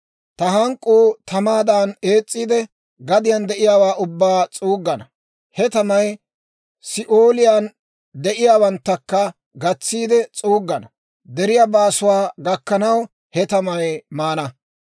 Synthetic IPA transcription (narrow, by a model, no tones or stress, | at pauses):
t̪ɐɦɐŋkʼːuːt̪ɐmaːd̪aːneːt͡sʼːiːd̪ɛ | ɡɐd̪ɪjɐnd̪ɛʔɪjaːwaːʔʊbːaːt͡sʼuːɡːɐnɐ | hɛt̪ɐmɐj | sɪʔoːlɪjan | d̪ɛʔɪjaːwɐnt̪ːɐkːɐ | ɡɐt͡sːiːd̪ɛt͡sʼuːɡːɐnɐ | d̪ɛɾɪjabaːsʊwaːɡɐkːɐnɐw | hɛt̪ɐmɐjmaːnɐ